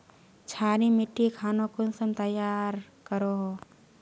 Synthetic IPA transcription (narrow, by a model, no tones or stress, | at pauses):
t͡ʃʰaːɾĩmɪʈːikʰaːnõkʊnsəmt̪əjaːɾ | kəɾoɦo